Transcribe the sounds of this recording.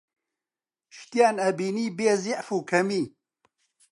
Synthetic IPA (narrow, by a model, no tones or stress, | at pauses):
ʃt̪ijaːnɐbiːniːbeːziʔfuːkʰɐmiː